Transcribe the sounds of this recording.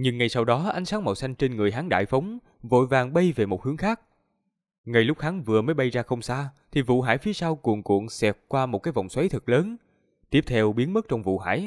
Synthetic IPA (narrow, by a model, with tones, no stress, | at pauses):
ɲɨ˧ŋːa˨˩jsa˧wɗɔ˨˦ʔa˨˦jŋ̟saː˨˦ŋmɔ̰˧˨˩wsa˧jŋ̟t͡ɕe˧nŋɨ˨˩əjɦaː˨˦ŋɗa̰ː˧˨jfə˨˦wŋ͡m | vo̰˧˨jvaː˨˩ŋɓə˧jve˨˩mo˨˩t̚hɨ˨˦əŋxaː˦˥k̚ | ŋa˨˩jlʊ˦˥k͡p̚ha˨˦ŋvɨ˨˩əməː˨˦jɓa˧jzaː˧xə˧wŋ͡msaː˧t̪ʰi˨˩vṵ˧˨ɦaː˧˩jfi˨˦əsaː˧wku˨˩əŋkṵ˧˨əŋsɛ˨˩p̚kwaː˧mo˨˩t̚kaː˨˦jvɔ̰˧˨wŋ͡mswa˨˦jt̪ʰɨ˨˩k̚ləː˨˦n | t̪i˦˥əp̚t̪ʰɛ˧wɓi˨˦ənmə˦˥k̚t͡ɕɔ˧wŋ͡mvṵ˧˨ɦa̰ː˧˩j